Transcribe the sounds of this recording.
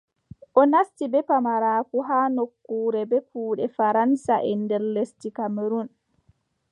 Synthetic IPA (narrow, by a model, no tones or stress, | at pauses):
ʔɔnastibɛpamaɾaːkuɦaːnokːuːɾɛbɛpʰuːɗɛfaɾansaʔɛndɛɾlestikamiɾun